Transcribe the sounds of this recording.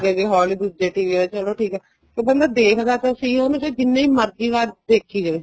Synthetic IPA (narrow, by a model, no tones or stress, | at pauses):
ɡeɡeːɦɔːliːd̪uːd͡ʒeːʈiːʋiːaet͡ʃəloːʈʰiːkɦɛː | k̪ebənd̪aːd̪eːkʰd̪aːt̪asĩːonũt͡ʃed͡ʒɪnːẽːiːməɾɡiːʋaːɾd̪eːkʰːiːd͡ʒaeː